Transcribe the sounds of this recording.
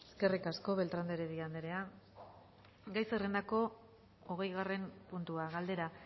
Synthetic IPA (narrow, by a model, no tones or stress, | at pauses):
eske̞rikasko̞βe̞lt̪ɾand̪eɾeðiand̪eɾe̞a | ɡajsere̞nd̪ako̞ | oɣ̞e̞jɣare̞mpunt̪uaɣald̪e̞ɾa